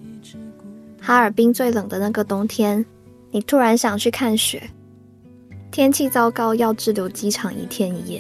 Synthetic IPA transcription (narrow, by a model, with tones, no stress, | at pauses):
xa˥ə˞˨˩pi˥ŋt͡swe˥˩ɪlɤ˨˩ŋd̪ə˦na˥˩ɡə˩t̪ʊ˥ŋt̪ʰjɛ˥n | ni˨˩t̪ʰu˥ɻa˧˥nɕjɑ˨˩ŋt͡ɕʰy˥˧kʰa˥˩nɕɥɛ̰˨˩˦ | t̪ʰjɛ˥nt͡ɕʰi˥˧t͡sɑ˥ʊkɑ˥ʊjɑ˥˧ʊʈ͡ʂɻ̩˥˩ljo˧˥ʊt͡ɕi˥ʈ͡ʂʰɑ˨˩ŋḭ˧˩t̪ʰjɛ˥ni˨˩jɛ̰˥˩˦